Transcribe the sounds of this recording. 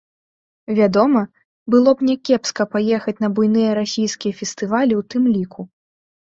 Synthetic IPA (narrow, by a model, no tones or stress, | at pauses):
vʲad̪ɔmɐ | bɨlˠɔbnʲɛkʲɛpskɐpajɛxɐt͡sʲnɐbujnɨjɐɾasʲijskʲijɐfʲɛst̪ɨvalʲiwt̪ɨmlʲikʰu